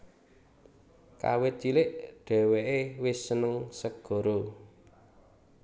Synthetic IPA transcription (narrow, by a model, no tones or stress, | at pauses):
ka̰wet͡ʃilɪʔɖ̥ɛ̤weʔewɪsːənəŋsəɡ̥ɔ̤ɾo